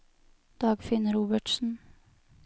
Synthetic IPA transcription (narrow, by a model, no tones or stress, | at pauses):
d̪̥ɑːɡfɪnəɾuːbəʈsn̩